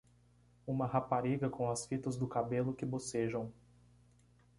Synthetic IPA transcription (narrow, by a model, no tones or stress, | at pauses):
ũmɐɦapaɾiɡɐkõw̃ɐsfit̪ɐzd̪ʊkabelʊkɪboseʒɐ̃w̃